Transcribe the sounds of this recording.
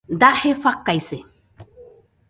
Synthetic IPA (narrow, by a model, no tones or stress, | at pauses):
d̪ahefakːajse